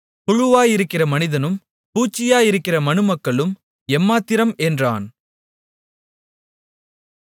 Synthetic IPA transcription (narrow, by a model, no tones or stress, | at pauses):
pʊɻʊʋaːjɪɾɯkːɪrɐmɐnɪðɐnɯm | puːt͡ʃːɪjaːjɪɾɯkːɪrɐmɐnɯmɐkːɐɭɯm | ɛmːaːt̪ːɪɾɐmɛndra̰ːn